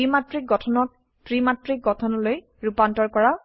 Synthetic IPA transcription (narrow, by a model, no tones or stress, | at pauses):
imatɹik̚ɡɔtʰɔnɔk̚ | tɹimatɹik̚ɡɔtʰɔnɔloj | ɹupantɔɹkɔɹaw